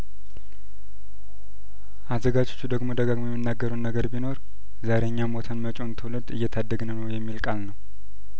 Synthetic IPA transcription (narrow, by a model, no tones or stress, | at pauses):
ʔazəɡad͡ʒot͡ʃːud̪əɡmo̞d̪əɡaɡmojɛmːɨnːaɡːəɾəwnːəɡəɾbino̞ɾ | zaɾe̞ɲːamot̪ʰənmət͡ʃʼo̞nt̪ʰələd̪ɨjːɛt̪ʰad̪ːəɡnənəwjɛmːilkʼalnəw